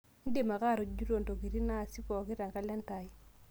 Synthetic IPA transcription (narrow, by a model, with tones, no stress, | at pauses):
n̩˦de˦˨ma˨ka˦˨ɾo˨d͡ʒu˦ɾo˨ndo˨ɡi˨ɾi˦na˦˨si˦pɔ˨ki˦ɾa˨ŋɡa˦la˦n˦ta˨i˦